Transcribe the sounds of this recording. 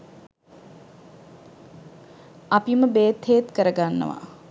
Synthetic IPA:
apiməbeːt̪heːt̪kəɾəɡanːə̰ʋa̰

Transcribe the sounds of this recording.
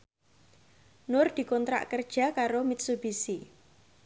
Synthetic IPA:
nʊrd̪̥i̤kɔnt̪ɾa̰ʔkərd̥ʒ̥a̤kaɾomit̪̚sub̥isi

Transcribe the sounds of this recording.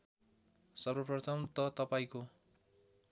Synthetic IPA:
sʌrʌprʌt̪ʰʌmt̪ʌt̪ʌpaĩko

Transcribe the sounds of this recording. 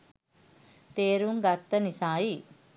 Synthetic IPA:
t̪eːɾuŋɡat̪ːənisaːji

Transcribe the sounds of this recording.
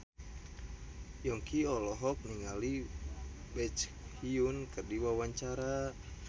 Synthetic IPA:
jɔŋkiɔlɔɦɔk̚niŋali | bɛt͡ʃ | hiunkərdiwawaɲt͡ʃaɾa

